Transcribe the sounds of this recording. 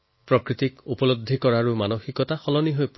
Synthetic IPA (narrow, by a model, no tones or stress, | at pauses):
pɹɔkɹit̪ikupɔlod̪ʱːikɔɹaɹumanoxikɔtaxɔlɔniɦojp